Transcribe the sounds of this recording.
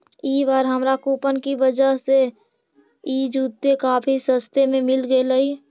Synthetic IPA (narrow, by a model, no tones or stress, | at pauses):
ibaːɾɦəmɾakuːpənkibəd͡ʒəɦse | id͡ʒuːt̪ːekaːpʰisə̃st̪ʰemẽmɪlɡeləi